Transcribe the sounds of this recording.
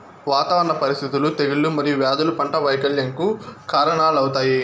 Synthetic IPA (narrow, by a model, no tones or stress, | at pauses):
ʋaːt̪ɐʋɐɐnːɐpɐɾist̪ʰit̪ulut̪eɡilːumɐɾijuʋjaːd̪ulupɐɳʈɐʋɐjkɐɭjɐŋkukaːɾɐɳaːlɐwut̪aːji